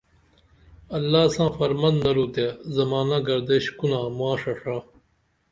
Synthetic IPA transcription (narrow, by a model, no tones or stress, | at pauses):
ɐlːaːsãːfɐɾmɐnd̪nɐɾuːt̪eːzɐmaːnãːɡɐɾd̪eːɕkunãːmuaːʂɐʂãː